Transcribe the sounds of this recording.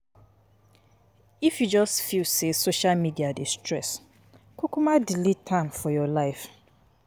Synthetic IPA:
ifjud͡ʒɔstfilsesoʃalmidiadestʰɹɛs | kʰʊkumadilitʰãmfɔjɔlaɪf

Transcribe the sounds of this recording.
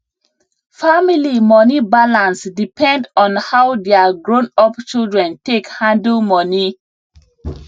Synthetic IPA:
familimɔnibalãnsdipʰɛ̃ndɔ̃nhawdeaɡɹõnɔpt͡ʃilˠdɹɛ̃ntekhãndəlmɔni

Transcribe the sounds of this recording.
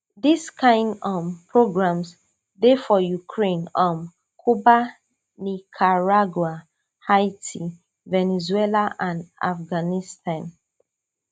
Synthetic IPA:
diskʰãɪ̃ndɔmpɹoɡɹãms | defɔjukʰɹẽnɔ̃m | kʰuba | nikʰaɹaɡwa | haɪtʰi | vɛnɛzwɛlaʔãnda̰fɡanistʰãn

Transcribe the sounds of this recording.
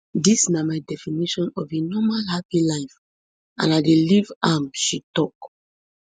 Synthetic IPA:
disnamaɪdɛfiniʃɔ̃nɔvenɔmalhapilaɪf | ã̰nadelivamʃitɔk

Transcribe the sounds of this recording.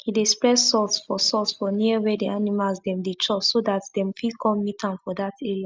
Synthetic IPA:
hidespɹɛssɔltsfɔsɔltsfɔniəwɛdeanimalzdɛ̃mdet͡ʃɔsodatdɛ̃mfikʰɔ̃mːitãnfɔdatʰɛɹa

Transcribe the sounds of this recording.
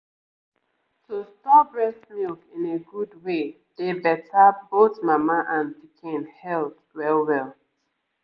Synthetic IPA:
tostɔbɹɛsmilkĩneɡudwe | d̥ebɛtabotmamaʔãnbikʰẽnhɛlθ | wɛlwɛlˠ

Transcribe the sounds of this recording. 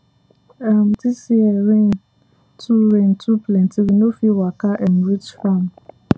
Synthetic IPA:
ɛm̩tʰisiɛɾẽn | tʰuɾẽntʰupʰlɛ̃ntʰiwinõfiwakaʔɛnɹit͡ʃfãm

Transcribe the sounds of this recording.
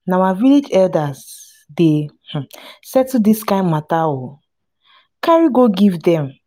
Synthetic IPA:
naawaviled͡ʒɛldaz | de | h̩sɛtudiskãɪ̃mmatawo | kaɹiɡoɡivdɛ̃m

